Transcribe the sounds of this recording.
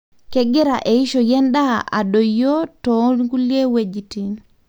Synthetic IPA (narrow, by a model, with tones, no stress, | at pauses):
kɛ˦ɡɪ˦ɾa˨ʔe˨i˦ʃo˨jɛ˦nda˦a̰˨ɗo˨jo˦tɔ˨˦nɡu˦li˦e˦we˨d͡ʒi˨ti˨n